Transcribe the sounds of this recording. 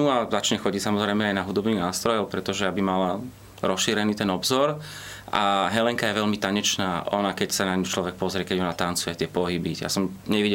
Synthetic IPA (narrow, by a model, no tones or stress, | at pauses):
uazat͡ʃɲɛxɔɟicsamɔzɾɛjmɛajnaɦud̪ɔbniːɣnaːst̪ɾɔjɔʊpɾɛt̪ɔʒɛjabimala | ɾɔsʃiːɾɛniːt̪ɛnɔbzɔɾ | a̰ɦɛlɛŋkajɛʋɛʎmit̪aɲɛt͡ʃnaːʔɔnakɛcsanaɲut͡ʃlɔʋɛk̚pɔzɾɪɛkɛɟɔnat̪ant͡sujɛt̪ɪɛpɔɦibija̰sɔmɲɛʋiɟɛ